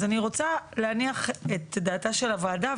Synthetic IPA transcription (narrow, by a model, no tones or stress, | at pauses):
zaniʁo̞t͡saleaniaχetdaːtaʃe̞lavaːda